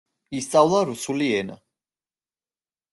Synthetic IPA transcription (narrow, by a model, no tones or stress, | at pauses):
ist̪sʼavlˠaɾusuliɛna̰